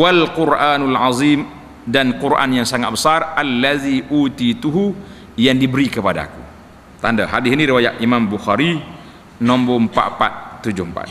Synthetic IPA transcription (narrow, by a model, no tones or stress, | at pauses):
walqʊɾʔaːnulʕazim | dankuɾʔa̰njaŋsaŋa̰t̪̚bəsarʔalːaðiʔut̪it̪uɦu | jaŋdibəɾikəpada̰ku | t̪andaɦadɪsiniɾiwajaʔimambuxaɾi | nɔmbɔmpa̰ʔpa̰t̪̚ːud͡ʒʊhmpa̰t̪